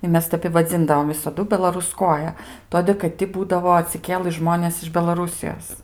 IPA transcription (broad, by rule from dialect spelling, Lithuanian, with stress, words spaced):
ɪ ˈmʲɛs ˈtʲɛp ɪ ʋɐˈd͡zʲɪndɐʋoːm ʋʲɪsɐˈdʊ bʲɛlˠɐrʊˈskoːjɛ ˈtoːdʲeː kɐt ˈtʲɪ ˈbuːdɐʋoː ɐtʲsʲɪˈkʲeːlˠɨ ˈʒmoːnʲeːs ɪʃ bʲɛlˠɐˈrʊsʲɪjoːs